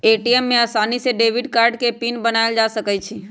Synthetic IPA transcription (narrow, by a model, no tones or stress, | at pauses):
eʈiemːeasaniseɖeʋiɖkaɾɖkepinbənaeld͡ʒasəkɛt͡ʃʰi